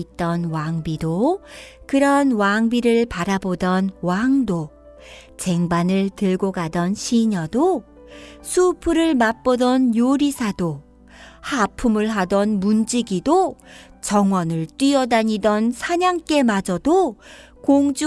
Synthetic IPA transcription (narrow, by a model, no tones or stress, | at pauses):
it͈ʌnwaŋbidokɯɾʌnwaŋbiɾɯɭpaɾabodʌnwaŋdo | t͡ɕe̞ŋbanɯɭtɯɭɡoɡadʌnɕʰiɲʌdo | sʰupʰɯɾɯɭmap͈odʌnjoɾisʰado | hapʰumɯɭɦadʌnmund͡ʑiɡidot͡ɕʌŋwʌnɯɭt͈wɥiʌdaɲidʌnsʰaɲaŋk͈e̞mad͡ʑʌdo | koŋd͡ʑu